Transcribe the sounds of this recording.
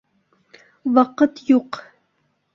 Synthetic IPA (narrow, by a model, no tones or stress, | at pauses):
wɑqət̪juq